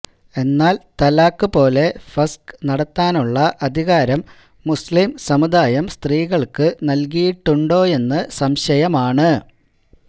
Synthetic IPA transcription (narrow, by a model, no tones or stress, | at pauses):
e̞nːaːlt̪ɐlaːkːɨpo̞ːle̞fɐsknɐɽɐt̪ːaːnuɭːɐʔɐd̪ʱiɣaːɾɐmː | uslimsɐmud̪aːjɐmst̪riːɣɐɭkɨnɐlkijiʈːuɳɖo̞ːe̞nːɨsɐmɕɐjɐmaːɳɨ